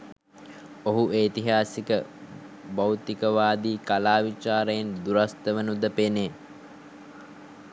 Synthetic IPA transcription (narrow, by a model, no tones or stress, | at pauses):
oɦueːt̪iɦaːsikə | bawt̪ikəʋaːd̪iːkalaːʋit͡ʃaːɾəjend̪uɾast̪əʋənud̪əpene